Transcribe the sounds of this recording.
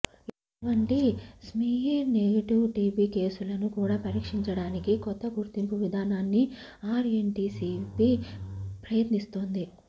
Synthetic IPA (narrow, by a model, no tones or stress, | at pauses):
iʈuʋɐɳʈismiːjeɾneɡɐʈiʋʈiːbiːke̞ːsulɐnukuːɽaːpɐɾiːkʂiɲt͡ʃɐɽaːnikikɔt̪ːɐɡuɾt̪impuʋid̪ʱaːnaːnːi | aːɾeɳʈiːsipipɾɐjɐt̪nist̪oːnd̪i